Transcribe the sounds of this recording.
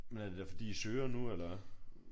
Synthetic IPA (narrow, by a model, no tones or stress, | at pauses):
menæɐd̥e̥æfɒ̽d̥ḭːisøːɐnuelɐ